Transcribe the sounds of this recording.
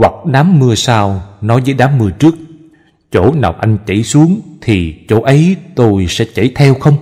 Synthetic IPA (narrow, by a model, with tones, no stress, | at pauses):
wa˨˩k̚ɗaː˨˦mːɨ˧əsaː˧wnɔ˨˦jvəː˨˦jɗaː˨˦mːɨ˧ət͡ɕɨ˦˥ək̚ | t͡ɕo̰˧˩na̰ː˨˩wʔa˧jŋ̟t͡ɕə̰˧˩jsu˨˦əŋt̪ʰi˨˩t͡ɕo̰˧˩ʔə˨˦jt̪o˧jsɛ̰˧˥t͡ɕə̰˧˩jt̪ʰɛ˧wxə˧wŋ͡m